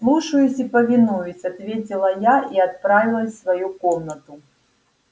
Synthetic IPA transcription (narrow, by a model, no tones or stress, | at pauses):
slˠuʂɐjusʲipɐvʲinujʊsʲat̪vʲet͡sʲilˠɐjaʔiɐt̪̚pɾavʲilˠəsʲsvɐjukɔmnɐt̪u